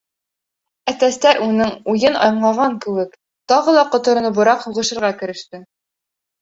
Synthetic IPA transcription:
æt̪æst̪æɾʔunɤŋujɤnɑ̰j̆ɴlˠɑʁɑŋkɘ̆wɘk | t̪ɑʁɤ̆lˠɑqŏt̪ŏɾɤ̆nɤbŏɾɑqhuʁɤ̆ʃɤ̆ɾʁɑkɘ̆ɾɘ̆ʃt̪ɘ

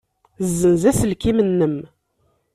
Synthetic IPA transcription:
zːənzæsəlkimənːəm

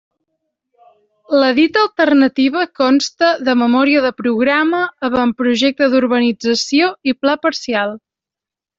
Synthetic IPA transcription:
ləðit̪əlˠt̪ərnət̪iβ̞əkɔnst̪əðəməmɔɾiəðəpɾuɣɾaməːβampɾuʒɛk̚t̪əðuɾβənid͡zəsioiplapəɾsialˠ

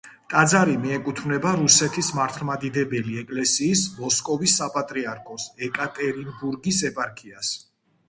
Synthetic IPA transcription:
kʼad̪zaɾimiɛkʼut̪ʰvnɛbaɾusɛt̪ʰismaɾt̪ʰlˠmad̪id̪ɛbɛliɛkʼlɛsiːsmɔskʼɔvisːapʼat̪ʼɾiaɾkʰɔsɛkʼat̪ʼɛɾinbuɾɡisɛpʼaɾkʰias

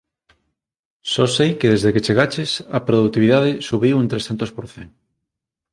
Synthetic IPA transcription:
sosejkeð̞ezðeket͡ʃeɣat͡ʃesapɾoðuk̚t̪iβ̞iðaðesuβiwunt̪ɾesθent̪ospoɾθeŋ

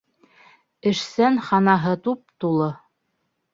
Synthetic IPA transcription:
ɘ̆ʃsænχɑnɑɦɤt̪up̚t̪ulˠɤ

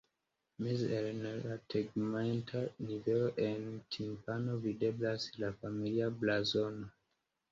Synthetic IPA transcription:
mizelnlatʰeɡmantʰaniveloʔentʰimpano̞vide̞blaslafamiliablazono

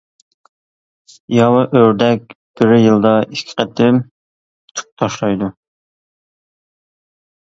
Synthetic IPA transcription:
jɑwɨʔøɾd̪ɛk̚ʲb̥ɪɾɪjɨlˠd̪ɑʔikʲʰɪ̥qʰɛt̪ʰɪm | t̪ʰʊ̥p̚t̪ʰɑʃlˠɑjd̪u

